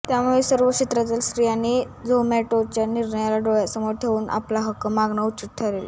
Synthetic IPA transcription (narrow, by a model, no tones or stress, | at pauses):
t̪jamuesəɾʋəkɕit̪ɾat̪əlsɾijani | d͡zomɛʈot͡ɕjaniɾɳəjalaɖoɭjasəmoɽt̪ʰeʋuːnʔa̰plaɦəkːəmaɡɳəut͡ɕit̪̚ʈʰəɾela